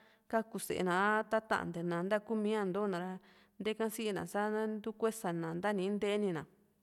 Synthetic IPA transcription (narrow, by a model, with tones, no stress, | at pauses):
ka˦ku˧sḛ˨ʔḛ˧nã˨˧˦t̪a˦t̪ã̰˦ʔnd̪e˨˧nã˨˧nd̪a˦ku˦mĩ˦ã˧nd̪o˦nã˨ɾa˧ | nd̪e˦kã˦si˦ʔnã̰˨sa˦nd̪u˦kʷe˦sa˨nã˨nd̪a˦nĩ˧˦nd̪e˦ʔnĩ˧nã˨